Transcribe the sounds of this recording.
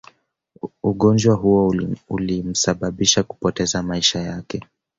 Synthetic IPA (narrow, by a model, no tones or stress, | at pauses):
uɠɔnd͡ʒwaɦuɔulim̩saɓaɓiʃaku̥pɔtɛzamaiʃajakɛ